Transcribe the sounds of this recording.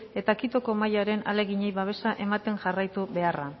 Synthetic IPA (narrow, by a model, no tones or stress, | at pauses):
e̞t̪akit̪o̞ko̞majaɾe̞na̰le̞ɣiɲe̞jβaβ̞e̞saʔe̞mat̪e̞ŋʝarajt̪uβe̞ara